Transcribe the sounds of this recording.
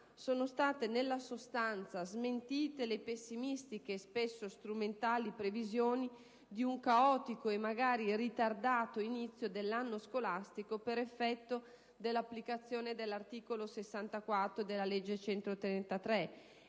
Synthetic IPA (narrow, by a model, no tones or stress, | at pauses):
soːnost̪aːt̪enelːasost̪ant̪sazment̪iːt̪elepesːimist̪ikespesːost̪ɾument̪aːlipɾevizjoːni | d̪iuŋkaɔːt̪ikoemːaɡaːɾirit̪ard̪aːt̪oinit̪sːjod̪elːanːoskolast̪ikopeɾefːɛt̪ːo | d̪elːapːlikat̪sːjoːned̪elːart̪iːkolosesːant̪akwat̪ːɾod̪elːalɛd͡ʒːet͡ʃɛnt̪ɾot̪ɾɛnt̪at̪ɾɛ